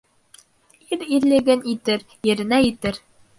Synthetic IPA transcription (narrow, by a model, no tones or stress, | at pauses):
iɾiɾlɘ̆ɡɘnit̪ɘɾ | jɘ̆ɾɘ̆næjĭt̪ɘɾ